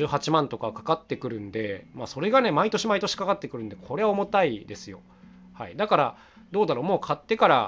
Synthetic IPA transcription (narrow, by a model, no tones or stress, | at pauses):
ɨːhat͡ɕimãnt̪o̞kakḁkat̪ːe̞kɯ̟ɾɯ̟̃nd̪e̞maso̞ɾe̞ɡane̞mait̪o̞ɕimait̪o̞ɕi̥kakat̪ːe̞kɯ̟ɾɯ̟nd̪e̞kʰo̞ɾe̞βaomo̞t̪aid̪e̞sɨjo̞̰ | haid̪akaɾa | d̪o̞ːd̪aɾo̞ːmo̞ːkʰat̪ːe̞kaɾa